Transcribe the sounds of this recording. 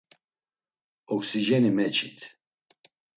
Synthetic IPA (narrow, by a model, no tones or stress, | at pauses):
ɔksiʒɛnimɛt͡ʃʰit̪ʰ